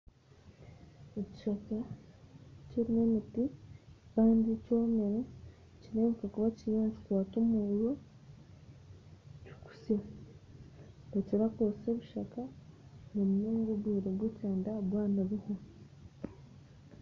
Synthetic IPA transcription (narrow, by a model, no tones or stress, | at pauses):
eci̥ʃaka | ceɾine̞mitikaːndicomeɾe | ciɾeːmekakuβacijoːɲd͡ʒukwaːtumujo | cu̥ku̥sja | aciβakoseβuʃakanomujoːŋɡoβwiːɾeɡweteːndaβwaːnaβiho